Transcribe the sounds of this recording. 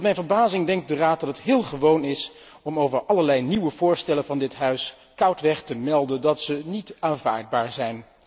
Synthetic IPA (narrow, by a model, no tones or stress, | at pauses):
tmɛjnvəɹbaːzɪŋdɛŋkt̚dəraːt̚dɑtətɦɪːlˠχəʋownɪs | ɔmowvəɹʔɑləɹlɛjniwəvʊːɹstɛlənvɑndɪtɦœɥs | kʌwtʋɛχtəmɛlˠdəndɑtsənitaːnva̰ːɹd̚baːɹzɛjn